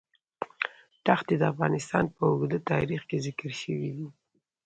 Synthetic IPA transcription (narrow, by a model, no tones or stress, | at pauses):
ʈaxt̪ed̪əafɣɑnɪst̪ɑ̰npəʊɡd̪ət̪ɑɾixkezɪkəɾʃəwid̪i